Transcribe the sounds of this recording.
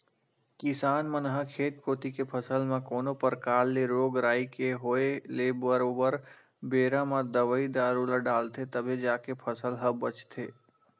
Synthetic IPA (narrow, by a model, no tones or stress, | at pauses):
kɪsaːnmənɦakʰeːt̪koːt̪ikepʰəsəlmãkoːnopəɾkaːlːeɾoːɡɾaːikeɦoːeleːbəɾoːbəɾ | beːɾãmãd̪əʋəid̪aːɾulaɖaːlt̪ʰet̪əbʱed͡ʒaːkepʰəsəlɦəbət͡ʃt̪ʰḛː